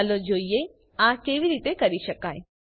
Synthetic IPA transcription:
lod͡ʒoːije | ãkeʋiɾit̪ekəɾiʃəkae

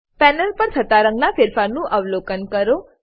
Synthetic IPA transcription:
pɛnəlpəɾsʰət̪aɾə̃ŋɡnafɪɾfaɾnũʔəʋlokənkəɾo

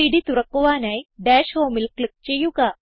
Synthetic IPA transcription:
iɽit̪uɾəkoʋanajɖɛɕɦomilklək̚t͡ɕejuka

